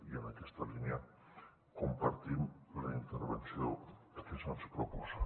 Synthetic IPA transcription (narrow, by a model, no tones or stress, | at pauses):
iənakɛst̪ɐlinia | kumpaɾt̪imlɐint̪əɾβənsio | kesənspɾopɔsa